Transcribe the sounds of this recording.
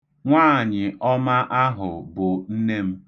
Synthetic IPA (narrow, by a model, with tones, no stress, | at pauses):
ŋʷaː˦˨ɲɪ˨ʔɔ˦ma˦ʔa˦ɦʊ˨bʊ˨n̩˦ne˦m̩˦